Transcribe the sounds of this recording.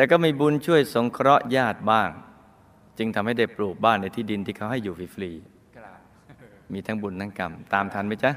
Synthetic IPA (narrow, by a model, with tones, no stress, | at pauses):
t̪ɛː˨˩kɔː˥˩miː˧bu˧nt͡ɕʰu˥˩əjso˩˦ŋkʰɾɔ˦˥ʔjaː˥˩t̪̚baː˥˩ŋ | t͡ɕɯ˧ŋt̪ʰa˧mha˥˩jda˥˩jpɾuː˨˩t̪̚baː˥˩ŋna˧jt̪ʰiː˥˩di˧nt̪ʰiː˥˩kʰa˦˥wɦa˥˩jːuː˨˩fi˦˩fliː˧ | miː˧t̪ʰa˦˥ŋbu˧nːa˦˥˩ka˧mt̪aː˧mt̪ʰa˧˥nma˦˥˩jt͡ɕa˦˥